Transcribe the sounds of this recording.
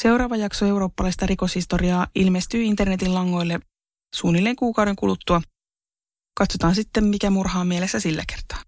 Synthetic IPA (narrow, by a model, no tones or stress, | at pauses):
se̞wɾɑːʋɑjɑksoe̞wɾo̞ːpːɑlɑist̪ɑriko̞shist̪oriɑːilmest̪yːint̪ernet̪illɑŋːo̞jlːe | suːnilːeŋkuːkɑwɾe̞ŋkulut̪ːuɑ | kɑt̪so̞t̪ɑːnsit̪ːemmikæmurhɑːmielesːæsilːæ̰kert̪ɑ̥ː